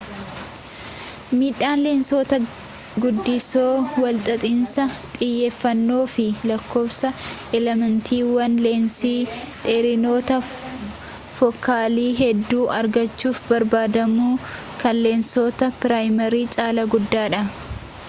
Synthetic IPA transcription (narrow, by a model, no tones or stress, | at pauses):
miːᶑaːnleːnsoːt̪ɐ | ɡʊd̪ːɪsoːwɐlt̪ʼɐt̪ʼɪnsɐt̪ʼɪjːe̞ːfːɐnːo̞ːfɪlɐkːo̞ːbsɐʔɛlɛmɐnt̪ʰiːwɐnleːnsiː | ᶑ̪ɛɾɪno̞ːt̪ɐ | fɔkːaːliːɦɛd̪ːuːʔɐɾɡɐt͡ʃːuːfbɐɾbaːd̪ɐmuː | kɐlleːnsoːt̪ɐpɪɾaːjmɐɾiːt͡ʃʼaːlɐɡʊd̪ːaːᶑɐ